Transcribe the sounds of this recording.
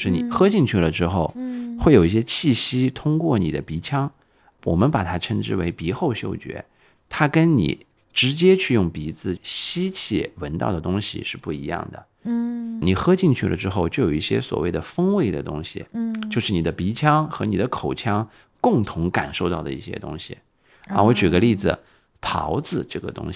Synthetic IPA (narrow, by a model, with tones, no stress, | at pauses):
ʂɻ̩˥˩ni˨˩xɤ˥t͡ɕi˥˧ŋt͡ɕʰy˥˩lə˩ʈ͡ʂɻ̩˥xo˥˩ʊxwe˥˩o˨˩ʊi˥˩ɕjɛ˥t͡ɕʰi˥˩ɕi˥t̪ʰʊ˥ŋkwɔ˥˩ni˨˩d̪ə˦pi˧˥t͡ɕʰjɑ˥ŋ | wɔ˨˩mə˦npa˨˩t̪ʰa˥ʈ͡ʂʰə˧˥nʈ͡ʂɻ̩˥˩we˧˥ɪpi˧˥xo˥˧ʊɕjo̰˥˩ʊt͡ɕɥɛ̰˧˥ | t̪ʰa˥kə˥nnḭ˨˩ | ʈ͡ʂɻ̩˧˥t͡ɕjɛ˥t͡ɕʰy˥˧jʊ˥˩ŋpi˧˥t͡sɹ̩˥˩ɕi˥t͡ɕʰḭ˥˩wə˧˥nt̪ɑ̰˥˩ʊd̪ə˩t̪ʊ˥ŋɕḭ˨˩ʂɻ̩˥˧pu˥˩ḭ˧˥jɑ̰˥˩ŋd̪ə̰˩ | ni˨˩xɤ˥t͡ɕi˥˧ŋt͡ɕʰy˥˩lə̰˩ʈ͡ʂɻ̩˥xo˥˧ʊt͡ɕjo˥˩ʊjo˨˩ʊi˥˩ɕjɛ̰˥swɔ̰˨˩we˥˩ɪd̪ə˩fɤ˥ŋwe˥˩ɪd̪ə̰˩t̪ʊ̰˥ŋɕḭ˨˩t͡ɕjo˥˧ʊʂɻ̩˥˩ni˨˩d̪ə˦pi˧˥t͡ɕʰjɑ˥ŋxɤ˧˥ni˨˩d̪ə˦kʰo˨˩ʊt͡ɕʰjɑ˥ŋ | kʊ˥˩ŋt̪ʰʊ˧˥ŋka˨˩nʂo˥˧ʊt̪ɑ˥˩ʊd̪ə˩i˥˩ɕjɛ̰˥t̪ʊ̰˥ŋɕḭ˨˩ | a̰˥˧wɔ˧˥t͡ɕy˨˩ɡə˦li˥˩d͡zɹ̩˩ | t̪ʰɑ˧˥ʊd͡zɹ̩˧ʈ͡ʂɤ̰˥˩ɡə̰˩t̪ʊ̰˥ŋɕi˩